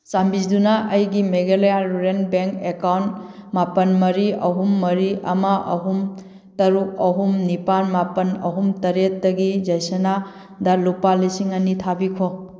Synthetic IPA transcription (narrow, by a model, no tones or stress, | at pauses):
sambisdunaɐjɡimeɡelejaɾuɾenbeŋkekawntmapɐnmɐɾiʔɐɦumːɐɾiɐ̰mɐɐ̰ɦum | tɐɾuk̚ɐɦumnipanmapɐnɐ̰ɦumtɐɾet̚dɐɡid͡ʒɐjsena | dɐlupalisiŋɐnitʰabikʰo